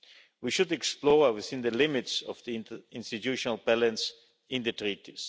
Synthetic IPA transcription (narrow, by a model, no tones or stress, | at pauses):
wiʃʊdɛksplɔɹəwɪθɪ̃nðəlɪmɪtsɔvðiɪ̃nstɨtjuʃɔnəlˠbɛlə̃ns | ɪ̃nðɨtɹitis